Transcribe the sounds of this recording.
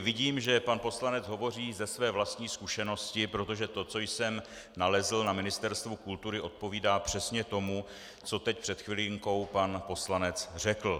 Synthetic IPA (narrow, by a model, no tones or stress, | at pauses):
vɪɟiːmʒɛpanpo̞slanɛd͡zɦo̞vo̞r̝iːzɛsvɛːvlast̪ɲiːskuʃɛno̞scɪpɾo̞t̪o̞ʒɛt̪o̞t͡so̞jsɛm | nalɛzl̩namɪnɪst̪ɛɾst̪vukult̪uɾɪʔo̞t̪̚po̞viːdaːpr̝̥ɛsɲɛt̪o̞mu | t͡so̞t̪ɛcpr̥ɛt̪xvɪliŋko̞wpanpo̞slanɛt͡sr̝ɛkl̩